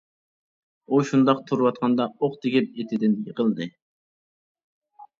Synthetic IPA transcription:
uʃund̪ɑqt̪ʰuɾwɑt̪̚qʰɑnd̪ɑoqt̪ʰɪkʲɪp̚et̪ʰɪd̪ɪnʲəqəlˠd̪ɨ

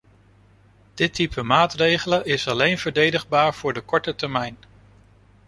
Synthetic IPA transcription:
d̥ɪtipʰəmaːtrejχələʔɪsɑlejnv̥əɹdejdəχbaːɹv̥ʊːɹdəkɔɹtətɛɹmɛjn

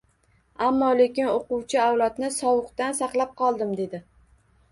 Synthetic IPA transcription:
amːɒle̞kʲɪnoqʊwt͡ʃʰɪawlat̪nɪsɒwʊqt̪ansaqlˠap̚qʰɒlˠd̪ɪmd̪e̞d̪ɪ

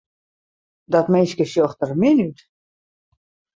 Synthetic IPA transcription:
dɔtmɪnskəsjoxtərmɪnyt

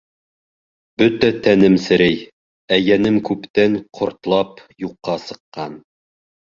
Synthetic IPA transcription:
b̥ɵt̪æt̪ænɘmsɘ̆ɾɘj | æjænɘmkʉpt̪æŋqʰŏɾt̪lˠɑp | juqːɑsɤ̆qːɑn

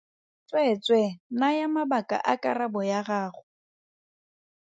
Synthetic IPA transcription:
t͡sʼwet͡sʼwenajamabakʼa̰ʔa̰kʼarabɔjaɣaːχʊ

